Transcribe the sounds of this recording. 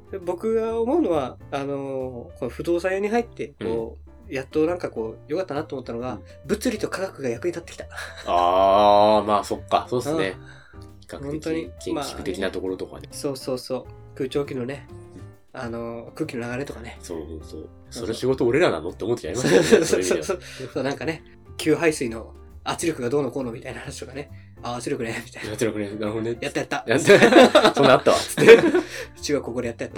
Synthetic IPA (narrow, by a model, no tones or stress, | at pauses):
d̪ebo̞kɯ̟ɡaomo̞ɯ̟no̞βaːno̞ko̞noɸɯ̟d̪o̞ːsãjoːɲ̟iɦait̪ːe̞ko̞ː | jat̪ːonãŋkako̞ːjo̞kat̪ːanat̪oːmot̪ːano̞ɡa | bɯ̟t͡sɨɾʲit̪o̞kaɡakɯ̟ɡajakɯ̟ɲ̟it̪at̪ːekʲi̥t̪ḁa | maːso̞kːa̰so̞ːesɨne | çi̥kakhɯont̪o̞ɲ̟iẽmaːi̥kɯ̟t̪ekʲinat̪o̞ko̞ɾo̞t̪oka̰neso̞ːso̞ːso̞ː | kɯ̟ːt͡ɕo̞ːkʲinone̞ | ano̞kɯ̟ːkʲino̞naɡaɾe̞t̪o̞kane̞so̰ːhoso̰ː | soɾeɕiɡo̞t̪oːɾe̞ɾana̰nːot̪ːeomot̪ːet͡ɕaɾimasosooɾeiososoːnãŋkane̞ | kʲʰɨːɦaisɨino̞ | at͡sɨɾʲokɯ̟ɡad̪o̞ːnoko̞ːno̞mit̪ainahanaɕi̥t̪okane̞ | aat͡sɨɾɯkɯ̟nemʲit̪ai̥nt͡siɾakɯɾenaɦonejat̪ːajat̪ːajat̪ːsoaat̪ːaβa̰ɨ̥t̪ːe̥t͡ɕiɡakoko̞ɾejat̪ːajat̪ːa